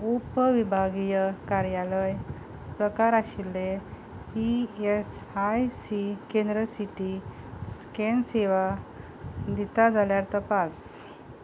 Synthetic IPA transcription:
upəʋibʱaɡijəkaɾjaləj | pɾəkaɾaɕile | iesajsikẽnd̪ɾəsiʈi | skenseʋa | d̪it̪ad͡zʱaljaɾt̪əpas

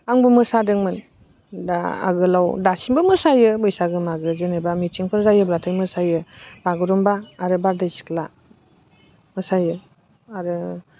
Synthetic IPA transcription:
aŋbumɯsadɯŋmɯn | da̰a̰ɡɯlawdasinbɯmɯsajɯbɯjsaɡɯmaɡɯzɯnebamitʰiŋpʰɯɾzajɯbɾatʰɯjmɯsajɯb̥aɡɯɾumbaːɾɯbaɾdajsi̥kla | mɯsajɯ | aɾɯ

